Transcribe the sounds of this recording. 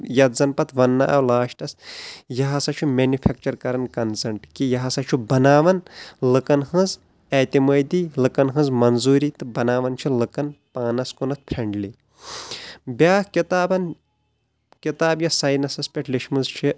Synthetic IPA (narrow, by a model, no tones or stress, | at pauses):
jɐt̪zɐnpɐt̪ʰʋɐnːa̰ʔɐwlaːʃʈɐsjɐɦɐsɐt͡ʃʰumeːnjupʰek̚t͡ʃɐɾkɐɾɐnkɐnsɐɳʈkijɐɦɐsɐt͡ʃʰubɐnaːʋɐnlɨkɐnhɨ̃z | eːt̪imɐjd̪iːlɨkɐnɦɨ̃zmɐnzuːɾiːt̪ɨbɐnaːʋɐnt͡ʃʰilɨkɐnpaːnɐskunɐt̪̚ʰpʰɾʲeɳɖli | bʲaːhkit̪aːbɐn | kit̪aːbjɐsɐjnɐsɐspʲeʈliʃmɨzt͡ʃʰi